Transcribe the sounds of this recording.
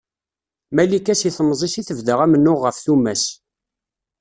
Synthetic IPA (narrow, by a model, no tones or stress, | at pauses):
mælikæsiθəmzˤiʃiθəvðəʁæmənːʊʁːəfθumæs